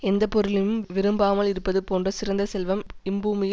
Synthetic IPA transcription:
ɛnd̪ɐpɔɾɯlɪjɯmʋɪɾɯmbaːmɐlɪɾɯpːɐðɯpoːndrɐsɪɾɐnd̪ɐsɛlʋɐmɪmbuːmɪjɪ

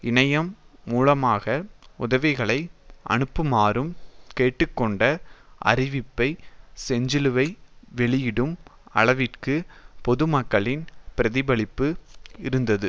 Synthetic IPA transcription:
ɪnɐjɐmːuːlɐmaːɣɐʊðɐʋɪɣɐɭɐɪʔɐ̰ɳɯpːɯmaːɾɯmkeːʈːɯkːɔɳɖɐʔɐ̰ɾɪʋɪpːɐɪsɛɲd͡ʒɪlɯʋɐɪʋɛɭɪjɪɽɯmɐ̰ɭɐʋɪʈkɯpɔðɯmɐkːɐɭɪnpɪɾɐðɪbɐɭɪpːɯɪɾɯnd̪ɐðɯ

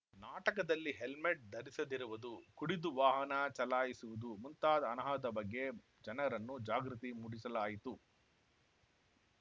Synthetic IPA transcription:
naːʈɐkɐd̪ɐlːiɦelmeʈ̚d̪ʱɐɾisɐd̪iɾuʋud̪ukuɽid̪uʋaːɦɐnɐt͡ʃɐlaːjisuʋud̪umunt̪aːd̪ɐːnɐɦɐd̪ɐbɐɡːe̞ | d͡ʒɐnɐɾɐnːud͡ʒaːɡɾut̪imuɽisɐlaːjit̪u

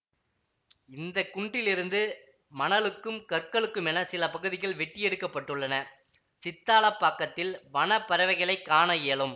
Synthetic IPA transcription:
ɪnd̪ɐkːʊɳɖɪlɪɾɯnd̪ɯ | mɐnɐlɯkːɯmkɐɾkɐɭɯkːɯmɛnɐsɪlɐpɐɣɯðɪɣɐɭʋɛʈːɪjɛɽɯkːɐpːɐʈːɯɭːɐnɐ | sɪt̪ːaːlɐpːaːkːɐt̪ːɪlʋɐɳɐpːɐɾɐʋɐɪɣɐɭɐɪkːaːnɐjeːɭɯm

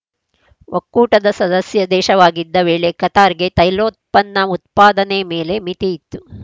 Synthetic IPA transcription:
ʋʔokːuːʈɐd̪ɐsɐd̪ɐsjɐd̪ɛːʃɐʋaːɡid̪ːɐʋeːɭekɐt̪aːɾɡe̞t̪ɐjloːt̪̚pɐnːɐut̪paːd̪ɐnemeːle̞mit̪iit̪ːu

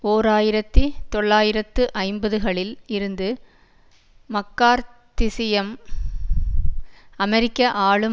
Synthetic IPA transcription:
oːɾaːjɪɾɐt̪ːit̪ɔɭːaːjɪɾɐt̪ːɯʔɐɪmbɐðɯɣɐɭɪlɪɾɯnd̪ɯ | mɐkːaːɾt̪ɪsɪjɐm | ɐmɛɾɪkːɐʔaːɭɯ

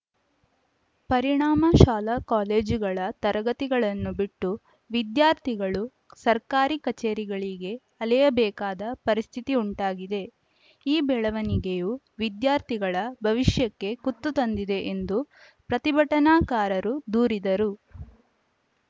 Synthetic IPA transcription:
pɐɾiɳaːmɐʃaːlɐkaːleːd͡ʒuɡɐɭɐt̪ɐɾɐɡɐt̪iɡɐɭɐnːubiʈːu | ʋid̪jaːɾt̪ʰiɡɐɭu | sɐɾkaːɾikɐt͡ʃeːɾiɡɐɭiɡe̞ | ɐlɛjɐbɛːkaːd̪ɐpɐɾist̪ʰit̪iuɳʈaːɡid̪e̞ | iːbɛːɭɐʋɐniɡe̞ju | ʋid̪jaːɾt̪ʰiɡɐɭɐbʱɐʋiʃjɐkːe̞kut̪ːut̪ɐnd̪id̪e̞ʔend̪u | pɾɐt̪ibʱɐʈɐnaːkaːɾɐɾud̪uːɾid̪ɐɾu

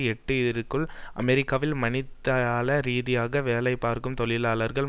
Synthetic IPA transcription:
ɛʈːɯɪɾɯkːɯɭʔɐ̰mɛɾɪkːaːʋɪlmɐnɪt̪ːɐaːlɐɾiːðɪjaːɣɐʋeːlɐɪpːaːɾkɯmt̪ɔɭɪlaːlɐɾɣɐɭ

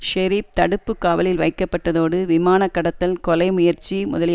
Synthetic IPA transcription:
ʃɛɾiːp̚t̪ɐɽɯpːɯkːaːʋɐlɪlʋɐɪkːɐpːɐʈːɐðoːɽɯʋɪmaːnɐkːɐɽɐt̪ːɐlkɔlɐɪmʊjɐɾt͡ʃimʊ̰ðɐlɪ

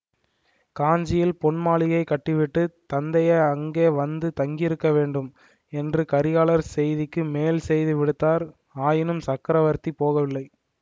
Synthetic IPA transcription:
kaːɲd͡ʒɪjɪlpɔɳmaːɭɪɣɐɪkːɐʈːɯʋɪʈːɯt̪ɐnd̪ɐjɐɐŋɡeːʋɐnd̪ɯt̪ɐŋɡɪɪɾɯkːɐʋeːɳɖɯm | ɛndrɯkɐɾɪjaːɭɐɾsɛjðɪkːɯmeːlsɛjðɯʋɪɽɯt̪ːaːɾ | aːjɪnɯmsɐkːɪɾɐʋɐɾt̪ipoːɣɐʋɪlːɐɪ

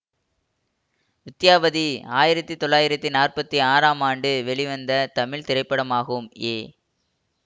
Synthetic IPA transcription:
ʋɪt̪ːɪjaːʋɐðiaːjɪɾɐt̪ːit̪ɔɭːaːjɪɾɐt̪ːinaːrpɐt̪ːiaːɾaːmaːɳɖɯʋɛɭɪʋɐnd̪ɐt̪ɐmɪɭt̪ɪɾɐɪpːɐɽɐmaːɣɯmeː

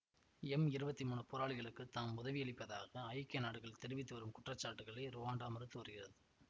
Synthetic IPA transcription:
ɛmɪɾɯbɐt̪ːimuːnɯpoːɾaːɭɪɣɐɭɯkːɯt̪aːmʊðɐʋɪɛɭɪpːɐðaːɣɐɐjkːɐnaːɽɯɣɐɭt̪ɛɾɯʋɪt̪ːɯʋɐɾɯmkʊʈrɐt͡ʃːaːʈːɯɣɐɭɐɪɾʊʋaːɳɖaːmɐɾɯt̪ːɯʋɐɾɯɣɪrɐðɯ

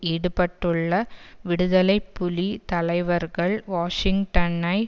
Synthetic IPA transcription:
iːɽɯpɐʈːɯɭːɐʋɪɽɯðɐlɐɪpːʊlit̪ɐlɐɪʋɐɾɣɐɭʋaːʂɪŋɡʈɐnɐɪ

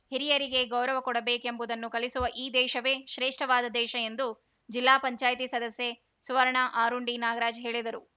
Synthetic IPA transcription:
hiɾijɐɾiɡe̞ɡɐwɾɐʋɐkɔɽɐbeːke̞mbud̪ɐnːukɐlisuʋɐʔiːd̪ɛːʃɐʋe̞ːʃɾeːʂʈɐʋaːd̪ɐd̪ɛːʃɐe̞nd̪u | d͡ʒilːaːpɐɲt͡ʃaːjt̪isɐd̪ɐsje̞ | suʋɐɾɐɳaʔaːɾuɳɖinaːɡɐɾaːd͡ʒɦe̞ːɭid̪ɐɾu

